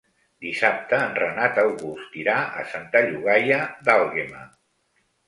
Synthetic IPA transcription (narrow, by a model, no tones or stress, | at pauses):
d̪isap̚t̪əːnrənat̪əlɣust̪iɾaə̰sant̪əʎuɣajəðalˠɣema